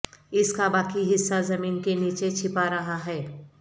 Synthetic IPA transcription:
ɪskabaːkiɦɪsːazɐmiːnkeniːt͡ʃet͡ʃʰɪpaɾɐɦaɦɛː

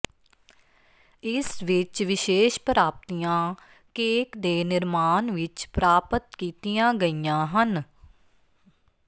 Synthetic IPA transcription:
ɪsʋɪt͡ʃʋɪʃeːʃpɾaːp̚t̪ijãː | keːkd̪eːnɪɾmaːnʋɪt͡ʃpɾaːpət̪kiːt̪ijãːɡəijãːɦən

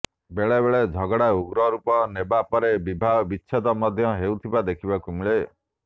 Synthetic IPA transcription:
beɭebeɭed͡ʒʱɔɡɔɽauɡɾɔɾupɔnebapɔɾebibʱabiːʃʰed̪ɔmɔd̪ʱjɔɦeut̪ʰibad̪ekʰibakumiɭe

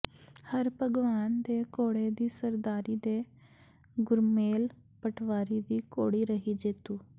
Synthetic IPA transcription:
həɾpəɡʋaːnd̪eːkoːɽeːd̪iːsəɾd̪aːɾiːd̪eː | ɡʊɾmeːl | pəʈʰʋaːɾiːd̪iːkoːɽiːɾəɦiːd͡ʒet̪uː

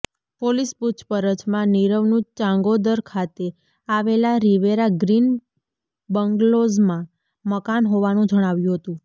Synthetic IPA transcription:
polisput͡ʃʰpəɾət͡ʃmãniɾəʋnũt͡ʃãŋɡod̪əɾkʰat̪e | aʋelaɾiʋeɾaɡɾin | bəŋɡlozmã | məkanɦoʋanũd͡ʒəɽ̃aʋjũɦət̪ũ

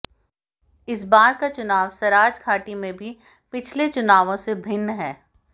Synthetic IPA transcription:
ɪs̬baːɾkat͡ʃʊnaːʋsɐɾaːd͡ʒkʰaːʈimẽbʱi | pɪt͡ʃʰlet͡ʃʊnaːʋõsebʱɪnːɦɛː

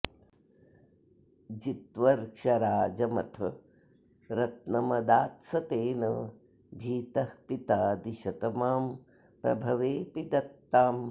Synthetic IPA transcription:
d͡ʒit̪ʋɐɾkʂɐɾaːd͡ʒɐmɐ̰t̪ʰɐ | ɾɐt̪̚nɐmɐd̪aːt̪sɐt̪eːnɐ | bʱiːt̪ɐhpit̪aːd̪iʃɐt̪ɐmaːm | pɾɐ̰bʱɐʋeːpid̪ɐt̪ːaːm

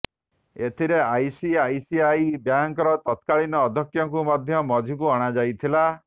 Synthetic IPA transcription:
et̪ʰiɾeajsiajsiajbjaŋkɔɾɔt̪ɔt̪kaɭinɔːd̪ʱɔkjɔŋkumɔd̪ʱjɔmɔd͡ʒʱukuɔɽ̃ad͡ʒajt̪ʰila

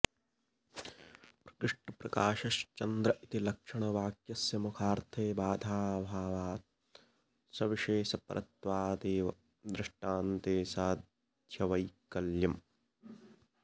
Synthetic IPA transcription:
pɾɐ̥kɾɪʂʈɐpɾɐkaːʃɐʃt͡ʃɐnd̪ɾɐit̪ilɐkʂɐɳɐʋaːkjɐsjɐmukʰaːɾt̪ʰeːbaːd̪ʱaːbʱaːʋaːt̪ | sɐʋiʃeːʃɐpɐ̰ɾʔɐ̰t̪ʋaːd̪eːʋɐ | d̪ɾɪʂʈaːnt̪eːsaːd̪ʱjɐʋɐjkɐljɐm

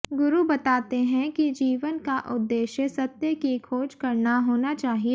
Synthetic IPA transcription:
ɡʊɾubɐt̪aːt̪eɦɛ̃kid͡ʒiːʋənkaʔʊd̪ːeːʃjəsɐt̪jəkikʰoːd͡ʒkɐɾnaɦoːnat͡ʃaːɦie

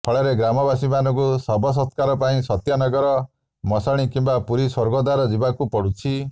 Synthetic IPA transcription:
pʰɔɭeɾeɡɾamɔbasimanɔkusɔbʱɔs̬ɔt̪kaɾɔpaĩsɔt̪jɔnɔɡɔɾɔ | mɔsaɽ̃ikimbapuɾiswɔɾɡɔd̪aɾɔd͡ʒibakupɔɽut͡ʃʰi

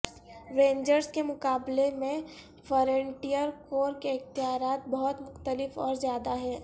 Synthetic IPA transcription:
ɾẽːɲd͡ʒəɾskemʊkaːblemẽ | fɔɾẽɳʈijəɾkoːɾkeɪxt̪ɪɦaːɾaːt̪̚bɐɦʊt̪mʊxt̪əlɪfɔːɾzjaːd̪aɦɛː

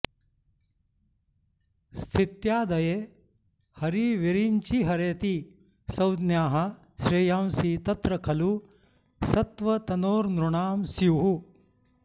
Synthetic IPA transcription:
st̪ʰit̪jaːd̪ɐje | hɐɾiʋiɾiɲt͡ʃiɦɐɾeːt̪i | sɐwd̪njaːɦɐ | ʃɾeːjaːmsiːt̪ɐt̪ɾɐkʰɐlu | sɐt̪ʋɐt̪ɐnoːɾnɾuɳaːmsiɦu

